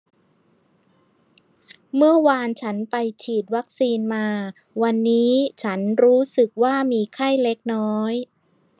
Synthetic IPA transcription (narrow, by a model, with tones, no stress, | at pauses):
mɯ˥˩ɐwaː˧nt͡ɕʰa˦˥npa˧jt͡ɕʰiː˨˩t̪̚wa˦˥k̚siː˧nmaː˧ | wa˧nːiː˦˥t͡ɕʰa˦˥nɾuː˦˥sɯ˨˩k̚waː˥˩miː˧kʰa˥˩jle˦˥k̚nɔː˦˥j